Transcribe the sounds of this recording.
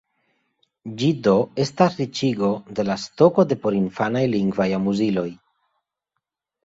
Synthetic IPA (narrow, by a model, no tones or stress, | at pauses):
d͡ʒido̞e̞stasɾit͡ʃiɡo̞de̞lasto̞ko̞de̞po̞ɾinfanajliŋɡvajamuzilo̞j